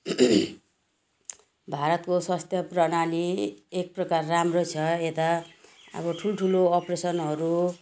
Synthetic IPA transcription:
bʱaɾʌt̪kosʌst̪jʌprʌnaliek̚prʌkarːamrot͡sʰʌet̪a | ʌ̰bʌʈʰulʈʰuloʌpresʌnɦʌɾu

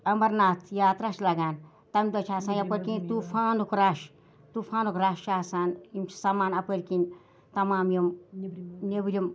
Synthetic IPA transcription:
ɐmɐɾnaːt̪ʰjaːt̪ɾaʃlɐɡaːn | t̪ɐmʲd̪ɐt͡ʃʰaːsaːnɐpəɾʲkint̪upʰaːnukʰɾaʃ | t̪ufʰaːnukʰɾaʃʃaːsaːnimt͡ʃʰsɐmaːnɐpəɾʲkin | t̪ɐmaːmjim | nebɾʲim

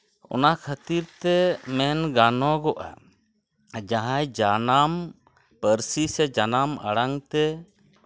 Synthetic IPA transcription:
ʔɔ̰nakʰat̪iɾt̪ɛmɛnɡanɔɡɔʔa̰ | d͡ʒaɦãjd͡ʒanam | pəɾsisɛd͡ʒanama̰ɽaŋt̪ɛ

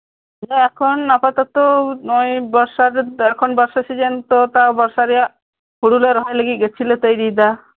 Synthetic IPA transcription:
d͡ʒaɛkʰɔnapat̪ɔt̪oojbɔɾsaɾɛkʰɔnbɔɾsasid͡ʒent̪ɔt̪abɔɾsaɾija | huɽuleɾɔɦajləɡiɡet͡ʃʰilet̪əjɾid̪a

